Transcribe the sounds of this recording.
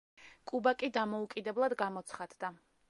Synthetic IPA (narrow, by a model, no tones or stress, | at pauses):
kʼubakʼid̪amɔukʼid̪ɛblˠad̪ɡamɔt̪sʰχad̪d̪a